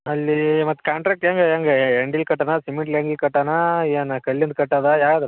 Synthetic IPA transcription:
ɐlːimɐt̪ːkaːɳʈɾaːk̚ʈaːŋɡejaːŋɡeeɳɖilkɐʈːanasimiɳʈeːɳɖilkɐʈːanaeːnɐkɐɭːjɐnd̪̚kɐʈːaːd̪ajaːɡad̪

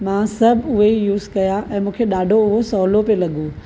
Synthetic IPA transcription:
mãsɐbʱʊɦeijuːzkɐjaʔɛ̃ːmũːkʰeɗaːɖʱoʊɦosɔːlopelɐɠuː

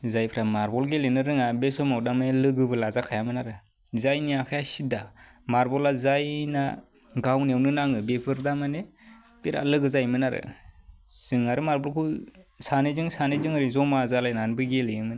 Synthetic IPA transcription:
zajpʰɾamaɾbɔlɡelenɯɾɯŋabesɔmawdamanelɯɡɯbɯlazakʰajamɯnaɾɯ | zajnijakʰajasida | maɾbɔlazajna̰ | ɡawnewnɯnaŋɯbepʰɯɾdamane | b̥eɾa̰lɯɡɯzajmɯnaɾɯ̰ | z̥ɯŋaɾɯmaɾbɔlkʰɯsanɯzɯŋsanezɯŋɯɾizɔmazalajnanbɯɡeleɯmɯn

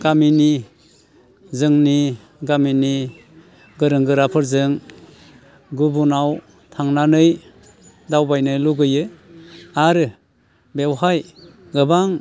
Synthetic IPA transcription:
ɡamini | zɯŋni | ɡamini | ɡɯɾɯŋɡɯɾapʰɯɾzɯŋ | ɡubunaw | tʰaŋnanɯj | dawbajnɯjluɡɯjɯ | aɾɯ | bewɦaj | ɡɯbaŋ

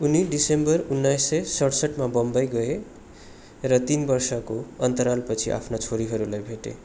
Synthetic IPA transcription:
uniɖisembʌrunːʌjsːʌjsʌɽsʌʈmabʌmbʌjɡʌe | rʌt̪inbʌrsʌkoʌnt̪ʌɾalpʌt͡sʰiʔa̰pʰnat͡sʰoɾiɦʌɾulajbʱeʈḛ

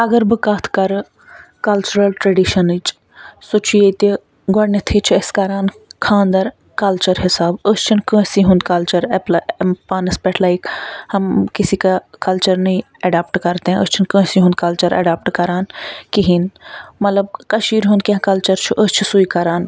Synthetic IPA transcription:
ɐɡɐɾbɨkaːt̪ʰkɐɾɨ | kɐlt͡ʃuɾɐlʈɾɐɖiʃɐnɨt͡ʃ | sot͡ʃʰujet̪i | ɡɐɽnɐt̪ʰit͡ʃʰuɐskɐɾaːnkʰãːnd̪ɐɾ | kɐlt͡ʃɐɾɦɪsaːbəst͡ʃʰinkə̃ːsiɦũnd̪kɐlt͡ʃɐɾɛplpaːnɨspɛʈʰlaːikhɐmkisikakɐlt͡ʃɐɾnɐĩ | ɐɖaːp̚ʈkɐɾt̪eɛ̃əst͡ʃʰinkə̃ːsĩɦũnd̪̚kɐlt͡ʃɐɾɐ̰ɖaːp̚ʈkɐɾaːnkiɦinmɐt̪lɐb̚kɐʃiːɾɦũnd̪̚kɐɦkɐlt͡ʃɐɾt͡ʃʰuʔəst͡ʃʰusuikɐɾaːn

